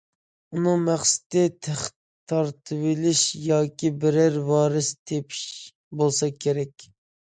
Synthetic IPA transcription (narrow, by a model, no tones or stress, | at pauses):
unɨŋmæχsɪ̥t̪ɪt̪ʰæχ | t̪ʰːɑɾt̪ʰɨvɪlɪʃjɑːkʲibɪɾæɾwɑːɾɨst̪ʰepʰi̥ʃ | bolˠsɑkʲʰeɾɛkʲ